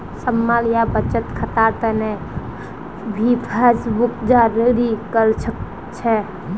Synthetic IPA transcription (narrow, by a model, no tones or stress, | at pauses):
səmːaljabət͡ʃət̪kʰət̪aɾt̪əne | bʱipʰesbukd͡ʒaɾəɾikəlt͡ʃʰək | t͡ʃʰɛ